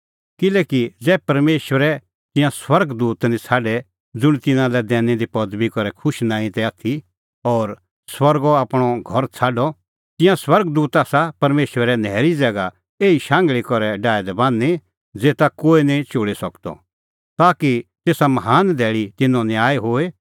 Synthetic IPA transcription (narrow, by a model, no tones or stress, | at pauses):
kɪlɛːkid͡zɛːpɐɾmeːʃwəɾɛ | t̪ɪ̃jãswɐɾɡd̪uːt̪nĩt͡sʰaːɖɛ | d͡zʊɽ̃it̪ɪnãlɛd̪ɛːnɛd̪ipɔd̪bikɔɾɛkʰʊʃnãːĩt̪ɛaːt̪ʰi | ɔːɾ | swɐɾɡɔaːpɽ̃ɔɡʱɔɾt͡sʰaːɖɔ | t̪ɪ̃jãswɐɾɡd̪uːt̪aːsapɐɾmeːʃwəɾɛnɛːɾid͡zɛːɡa | eːiʃãːŋɡɭikɔɾɛɖaːɛd̪ɛbãːnːe | d͡zeːt̪akoːinĩt͡ʃoːɽisɐkt̪ɔ̰ | t̪aːkit̪eːsamɐɦaːnd̪ʱɛːɭit̪ɪnɔ̃nɪaːeɦoːe